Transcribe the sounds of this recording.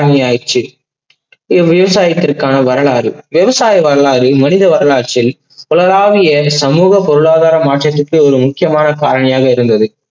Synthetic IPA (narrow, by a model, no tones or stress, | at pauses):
ɐɳɐjaːjt͡ʃːɯ | ɪʋɪʋɐsaːjɐt̪ːɪrkaːnɐʋɐɾɐɭaːɾɯʋɛʋɐsaːjɐʋɐɾɐɭaːɾɯmɐnɪðɐʋɐɾɐɭaːt͡ʃɪl | pɔɭɐɾaːʋɪjɐsɐmuːɣɐpɔɾɯɭaːðaːɾɐmaːʈrɐt̪ːɯkːɯɔɾɯmʊkːɪjɐmaːnɐkaːɾɐɳɐjaːɣɐɪɾɯnd̪ɐðɯ